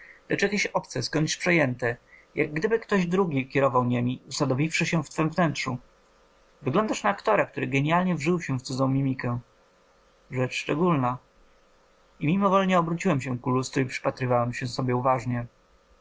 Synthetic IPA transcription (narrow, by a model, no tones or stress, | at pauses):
lɛt͡ʂjakʲeɕɔpt̪sɛskɔɲt͡ɕspʂɛjɛnt̪ɛjaɡːd̪ɘbɘkt̪ɔʑd̪ɾuɡʲikʲɛɾɔvawɲemʲiusad̪ɔvʲifʂɘɕɛft̪fɛmvnɛntʂu | vɘɡlɔnd̪aʂnaːkt̪ɔɾɛk̚t̪uɾɘɡɛɲalɲɛvʐɘwɕɛft̪sud̪zɔ̃w̃mʲimʲikɛ | ʐɛt͡ʂʂt͡ʂɛɡulna | imʲimɔvɔlɲɛɔbɾut͡ɕiwɛmɕɛkulust̪ɾuipʂɘ̥pat̪ɾɘvawɛmɕɛsɔbʲjɛuvaʐɲɛ